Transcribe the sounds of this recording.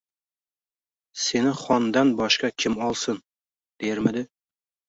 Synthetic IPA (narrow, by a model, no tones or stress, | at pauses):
se̞nɪχɒnd̪anbɒʃqɑkʲʰɪmɒlˠsɨn | d̪̥ejɪɾmɪd̪ɪ